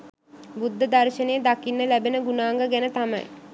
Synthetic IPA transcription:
bud̪ːəd̪arʃənejəd̪akinːəlæbenəɡunaːŋɡəɡænət̪amɐ̰j

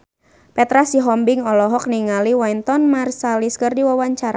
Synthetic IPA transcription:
pɛt̪ɾasiɦɔmbɪŋɔlɔɦɔk̚niŋaliwajnt̪ɔnmarsaliskərdiwawaɲt͡ʃaɾa

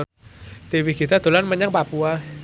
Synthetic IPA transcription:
t̪iwiɡ̥i̤t̪ad̪̥o̤lanməɲaŋpapua

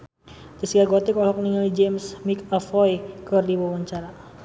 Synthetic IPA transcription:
t̪isɡaɡɔt̪ikɔlɔk̚niŋəlid͡ʒemsmikafɔjkərdiwawaɲt͡ʃaɾa

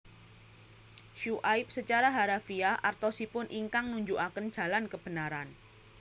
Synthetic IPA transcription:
ʃuʔajp̚sət͡ʃaɾaɦaɾafiahʔart̪osipʊnʔiŋkaŋnuɲd͡ʒuʔakənd̥ʒ̥a̤lankəb̥ənaɾan

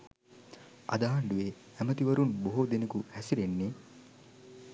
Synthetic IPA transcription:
ɐ̰d̪aːɐɳɖuʋe | æmət̪iʋɐɾunboɦod̪enɐkuhæsiɾenːe

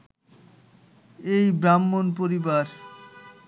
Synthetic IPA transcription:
ejbɾamːonp̬oɾibaɾ

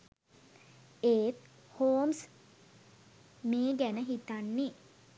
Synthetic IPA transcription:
eːt̪̚ | hoːms | meːɡænəɦit̪anːi

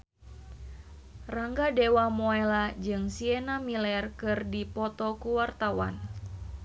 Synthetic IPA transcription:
raŋɡadewamɔɛlad͡ʒɨŋsiɛnamilɛrkɨrdipɔt̪ɔkuwart̪awa̰n

